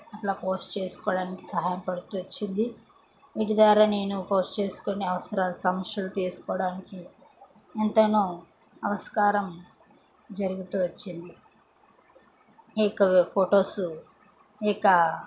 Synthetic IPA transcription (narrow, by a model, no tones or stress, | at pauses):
ɐʈlaːpo̞ːsʈt͡ʃe̞ːsu̥kɔːɽaːniki̥sɐɦaːjɐmpɐɽut̪uːʋɐt͡ʃːind̪i | ʋiʈid̪ʋaːɾaːne̞ːnupo̞ːsʈt͡ʃe̞ːsu̥koneɐʋɐsɐɾaːlusɐmɐkjɐlut̪iːsu̥kɔːɽaːniki | ent̪ɐnoː | ɐʋɐskaːɾɐm | d͡ʒɐɾuɡut̪uːʋɐt͡ʃːind̪i | ɛːkɐpʰoːʈo̞ːsu | ɛːkɐ